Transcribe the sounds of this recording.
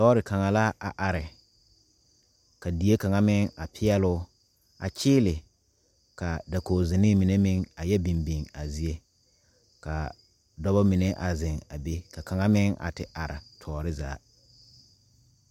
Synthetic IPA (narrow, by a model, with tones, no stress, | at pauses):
tɔː˦ɾɪ˨ka˨ŋa˨la˦a˨ʔa˨ɾɪ˨ | ka˨di˨e˦ka˨ŋa˦mɪ˦ŋa˨pʰɪ˦ɛ˦lʊ˦ | a̰˨t͡ʃʰɪː˦lɪ˨ | ka˨da˨koː˨zɪ˨nɪ˦mɪ˨ne˦mɪ˦ŋa˨jɛ˦bi˨mbi˨ŋa˨zi˦e˦ | ka˨ | dɔ˦bɔ˦mi˨ne˦ʔa˨zɪ˨ŋa̰˨be˦ka˨ka˨ŋa˦mɪ˦ŋa̰˨tɪ˨ʔa˨ɾɪ̰˨tʰɔː˨ɾɪ˦za̰ː˨˦